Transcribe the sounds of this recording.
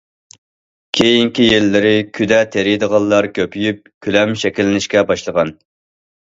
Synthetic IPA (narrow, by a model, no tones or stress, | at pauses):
kʲʰejiŋkʲijelːɪɾɪkʲʰyd̪ɛt̪ʰeɾɪd̪əʁɑlˠːɑɾkʲʰøpʰyjyp̚kʲʰylɛmʃɛkʲilːɪnɪʃkʲɛbɑʃlˠəʁɑn